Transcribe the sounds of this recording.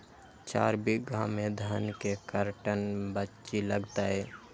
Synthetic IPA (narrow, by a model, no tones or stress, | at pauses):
t͡ʃa̰ːɾbiɡʱãmed̪ʱənkekəɾʈənbətːt͡ʃiləɡt̪aɦɛː